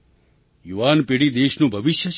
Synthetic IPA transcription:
juʋanpeɽid̪eːʃnũbʱəʋɪʃjə

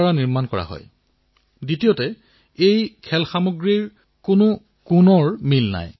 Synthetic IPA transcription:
ɹaniɹmankɔɹa̰ɦɔ̰j | ditijotɛ | ejkʰɛlxamuɡɹiɹ | kʊnʊ | kunɔɹmilna̰j

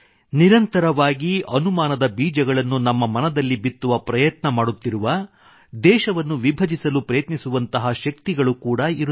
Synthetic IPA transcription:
niɾɐnt̪ɐɾɐʋaːɡiɐnumaːnɐd̪ɐbiːd͡ʒɐɡɐɭɐnːunɐmːɐmɐnɐd̪ɐlːibit̪ːuʋɐpɾɐjɐt̪nɐmaːɽut̪ːiɾuʋɐ | d̪ɛːʃɐʋɐnːuʋibʱɐd͡ʒisɐlupɾɐjɐt̪nisuʋɐnt̪ɐɦɐʃɐkt̪iɡɐɭukuːɽɐiɾu

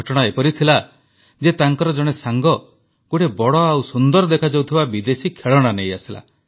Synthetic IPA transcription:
ɔʈɔɽ̃aepɔɾit̪ʰila | d͡ʒet̪aŋkɔɾɔd͡ʒɔɽ̃esaŋɡɔ | ɡ̥oʈebɔɽɔawsund̪ɔɾɔd̪ekʰad͡ʒawt̪ʰibabid̪esikʰeɭɔɽ̃anejasila̰

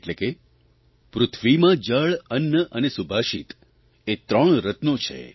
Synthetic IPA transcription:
eʈleke | pɾʊt̪ʰʋimãd͡ʒəɭənjəʔənesubʱaʃḭt̪ | et̪ɾəɳ̃ɾət̪not͡ʃʰḛ

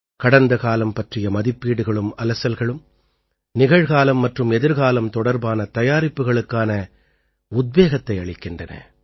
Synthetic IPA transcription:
kɐɽɐnd̪ɐkaːlɐmpɐʈrɪjɐmɐðɪpːiːɽɯɣɐɭɯmɐlɐsɐlɣɐɭɯm | nɪɣɐɻɣaːlɐmːɐʈrɯmɛðɪɾɣaːlɐmt̪ɔɽɐɾbaːnɐt̪ɐjaːɾɪpːɯɣɐɭɯkːaːnɐ | ʊd̪̚ʋeːɣɐt̪ːɐɪɐɭɪkːɪndrɐnɐ̰

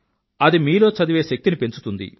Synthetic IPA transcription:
ɐd̪imiːlo̞ːt͡ʃɐd̪iʋeːʃɐk̚t̪inipe̞nt͡ʃu̥t̪und̪ḭ

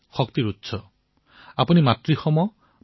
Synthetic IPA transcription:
xɔkt̪iɾutːsʰɔ | apunimat̪ɾixɔmɔ

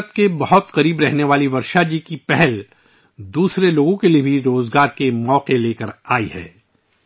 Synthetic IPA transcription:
ət̪kebɐɦʊt̪qɐɾiːbɾɛɦneʋaːliʋɐɾʃad͡ʒiːkipɛɦɛl | d̪uːsɾeloːɡõkeliebʱiɾoːzɡaːɾkemɔːqeleːkəɾaːihɛ̰ː

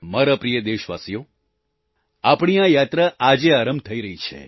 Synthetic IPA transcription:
maɾapɾijəd̪eʃʋa̰sijo | apɳ̃ijãjat̪ɾəad͡ʒeaɾəmt̪ʰəiɾəɦit͡ʃʰḛ

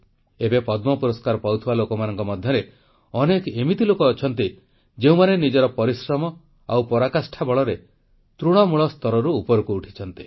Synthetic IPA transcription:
ebepɔd̪mɔpuɾɔskaɾɔpawt̪ʰibalokɔmanɔŋkɔmɔd̪ʱjɔɾe | ɔnekemit̪ilokɔːt͡ʃʰɔnt̪i | d͡ʒeũmanenid͡ʒɔɾɔpɔɾisɾɔmɔ | awpɔɾakasʈʰabɔɭɔɾe | t̪ɾuɽ̃ɔmuɭɔst̪ɔɾɔɾuːpɔɾukuːʈʰi̥t͡ʃʰɔnt̪i̥

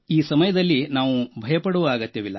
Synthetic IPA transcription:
iːsɐmɐjɐd̪ɐlːinaːʋubʱɐjɐpɐɽuʋaːɡɐt̪ːɐʋilːɐ̰

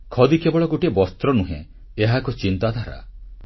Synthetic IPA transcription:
kʰɔd̪ikebɔɭɔɡoʈiebɔst̪ɾɔnuɦḛ̃ | eɦakɔt͡ʃint̪ad̪ʱaɾa̰

